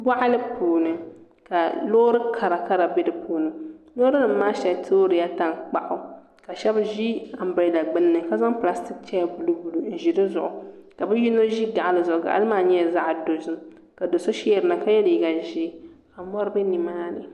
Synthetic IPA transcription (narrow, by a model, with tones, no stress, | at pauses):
bʷa˦ʔa˦lɨ˦pʰuː˨nɨ˨ | ka˨loː˦ɾɨ˦kʰa˨ɾa˨ka˦ɾa˨be˦dɨ˨pʰuː˨nɨ˨loː˦ɾɨ˦nɨ˨m̩ː˦aː˦ʃɛ˨tʰoː˦ɾɨ˨ja˦ta˨ŋk͡pa˦ʔʊ˦ | ka˨ʃɛ˦bʒi˦a˨m̩˦ba˨da˨ɡ͡bɨ˦nːɨ˨ka˦za˦ŋpla˦sti˦k̚t͡ʃɛ˦ja˨bu˨lu˦bu˨lu˨n̩˨ʒi˨dɨ˦zʊ˨ʔʊ˨ka˨bɨ˦ji˦no˦ʒi˦ɡa˨ʔa˨lɨ˨zʊ˨ʊ˨ɡa̰˨ʔa̰˦lɨ˦maː˦˨ɲɛ˦˨za˦ʔdo˨zɨ˦m | ka˨do˨so˦ʃi˦ɛ˨ɾɨ˨na˨ka˦jɛ˦lji˦ɡa˨ʒi˦ | a˨mɔ˦ɾɨ˦bɨ˦ni˨maː˦nɨ˨